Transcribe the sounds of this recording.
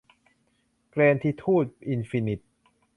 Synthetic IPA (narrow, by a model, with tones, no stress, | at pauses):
kɾeː˧nt̪ʰiː˧t̪ʰuː˥˩t̪̚ʔi˧nfi˧ni˨˩t̪̚